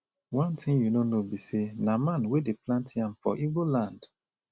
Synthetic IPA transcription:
wãntʰĩŋjunonobisenamãnwedeplãntiãmfɔ̰ʔivolãnd̥

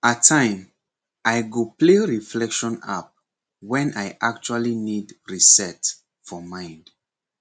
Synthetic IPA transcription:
atʰãɪ̃m | ʔajɡopleɹiflɛkʃɔ̃na̰p̚ | wɛ̃najʔak̚t͡ʃualinidɹisɛt | fɔmãɪ̃nd

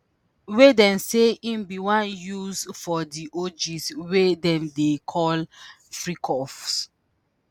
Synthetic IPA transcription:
wedɛ̃nseĩmbiwãnjuzfɔdiʔod͡ʒiswedɛ̃mdekʰɔl | fɹikʰɔfs

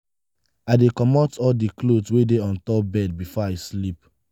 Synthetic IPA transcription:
adekɔmɔtɔldiklodswedeɔ̃ntɔp̚bɛd̚bifɔaɪslip

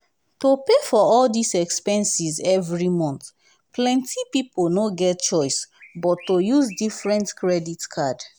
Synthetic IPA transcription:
topefɔɔldisɛkspɛ̃nsizɛvɹimɔ̃nt̪ | plɛ̃ntʰipiponoɡɛt̚t͡ʃɔɪsbɔtːojuzdifɹɛ̃ntkɹɛditkʰad

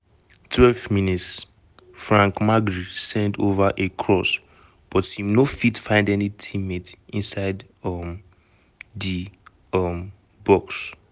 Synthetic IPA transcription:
tʰwɛlvminits | fɹãŋkmaɡɹisɛ̃ndovaʔekʰɹɔs | b̥ɔthĩmnofitfãɪ̃ndɛnitʰĩmetĩnsaɪd | m | di | ʌm | bɔks

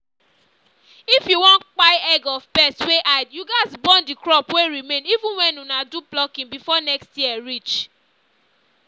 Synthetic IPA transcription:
ifjuwɔ̃ntk͡paɪɛɡɔvbɛstweʔaɪdjuɡaɪzbɔ̃ndikɹɔpweɹimẽnivũnwɛ̃nunadublɔkĩŋbifɔnɛkstjiɛɹit͡ʃ

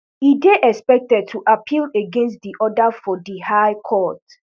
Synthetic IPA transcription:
ideʔɛkspɛk̚tɛd̚tʰuʔapʰileɡẽnst̚diʔɔdafɔdihaɪkʰɔt

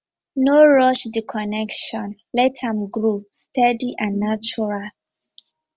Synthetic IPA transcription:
noɹɔʃdikʰɔnɛkʃɔ̃nlɛthãmɡɹustɛdiʔãnːat͡ʃuɹal

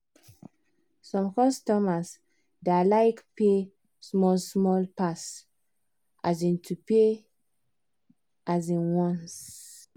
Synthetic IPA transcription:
sɔ̃mkɔstɔmas | delaɪkpe | smɔlsmɔlpas | ʔazĩntʰupe | ʔazĩnwɔ̃ns

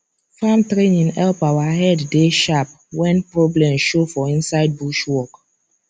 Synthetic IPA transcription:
famtɾenĩŋɛlpawahɛdːeʃap̚ | wɛ̃npɹɔblɛ̃mʃofɔĩnsaɪd̚buʃwɔk

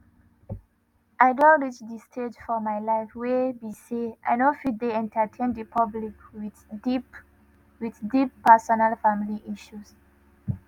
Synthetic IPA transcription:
ʔaɪdɔ̃ɹit͡ʃdistʰed͡ʒfɔmajlaɪfwebisiʔa̰ɪnofid̚deɛ̃ntʰətʰẽndipʰablik | wiðdipːʰɛsɔnalfamiliʔiʃus

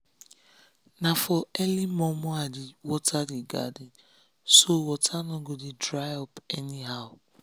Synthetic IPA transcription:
nafɔɛlimɔmɔadɪwɔtʰadɪɡa̰dɪ | sowɔtʰanɔɡodɪdɾajɔpɛniɦaʊ

